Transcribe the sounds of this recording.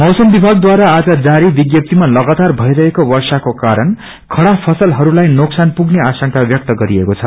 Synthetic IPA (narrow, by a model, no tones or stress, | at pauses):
mʌwsʌmbibʱaɡ̚d̪waɾaːd͡zʌd͡zaɾibiɡjʌp̚t̪imalʌɡat̪arbʱʌjɾʌɦekowʌrsakokaɾʌn | kʰʌɽapʰʌsʌlɦʌɾulajnoksanpuɡneasʌŋkabjʌk̚t̪ʌɡʌɾiekot͡sʰʌ